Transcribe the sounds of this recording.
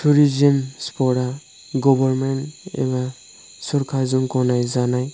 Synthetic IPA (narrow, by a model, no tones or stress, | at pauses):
tʰuɾizɔmspɔɾa | ɡɔbɔɾmenḛɛ̰ba | suɾkʰazuŋkɔnajzanaj